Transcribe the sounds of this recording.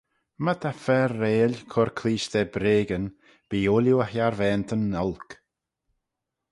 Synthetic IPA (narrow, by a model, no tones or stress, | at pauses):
mət̪ʰafɛrːeːlʲkʰɔɾkʰliːʃd̪ɛbɾeːɡən | b̥iːoːljuəhjaɾvɛːnt̪ʰənːɔlˠk